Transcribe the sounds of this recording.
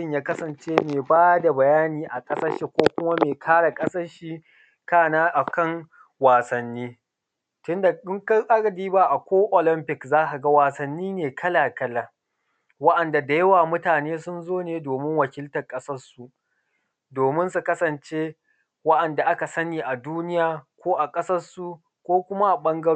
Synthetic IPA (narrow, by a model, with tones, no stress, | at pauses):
ɪ˦˨ɲjaː˦kɐ˦sɐ˨nt͡ʃeː˦meː˨baː˦da˨bɐ˨jaː˦niː˨ʔa˨kʼɐ˦sɐ˦rʃi˨kʷoː˦kʷʊ˦ma˦meː˨kʰaː˦ɽa˨kʼɐ˦sɐ˦rʃi˦ | kaː˦˨naː˦ʔa˨kɐ˦˨ŋ | waː˨sɐ˨nːiː˦ | tʊ˦nda˨ɪ˦ŋkɐ˦ʔa˦ɡɐ˨diː˦ba˦ʔa˨kʷoː˦ʔo˨lɪ˦mpɪ˨kzaː˦ʔa˨ɡa˦waː˨sɐ˨nːiː˦neː˨kʰɐ˦laː˨kɐ˦laː˨ | wɐ˦ʔɐ˨nda˨da˨jɐ˦waː˨mʊ˦taː˨neː˦sʊ˦nzoː˦neː˨doː˨mɪ˦ŋwɐ˨kʲɪ˦ltɐ˨kʼɐ˦sɐ˦rsu˨ʔ | doː˨mɪ˦nsu˨kɐ˦sɐ˨nt͡ʃeː˦ | wɐ˦ʔɐ˨nda˨ʔa˦ka˨sɐ˦niː˨ʔa˨duː˦nɪ˦jaː˨kʷoː˦ʔa˨kʼɐ˦sɐ˦su˨ | kʷoː˦kʷʊ˦ma˦ʔa˨ɓɐ˦ŋɡɐ˦ɽ